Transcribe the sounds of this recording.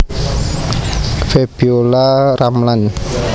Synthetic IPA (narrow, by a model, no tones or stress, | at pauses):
feb̥iolaramlan